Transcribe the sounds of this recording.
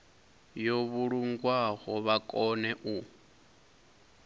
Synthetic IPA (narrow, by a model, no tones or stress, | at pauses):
joβuɺuŋɡwaɣɔβakʼɔnɛʔu